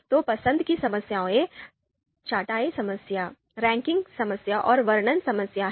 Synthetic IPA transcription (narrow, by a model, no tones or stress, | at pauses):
t̪opɐsə̃nd̪ʱkisɐməsjaːõẽ | t͡ʃaːʈaːesɐməsja | ɾɛ̃ːŋkɪ̃ŋɡsɐməsjaʔɔːɾʋɐɾɳənsɐməsja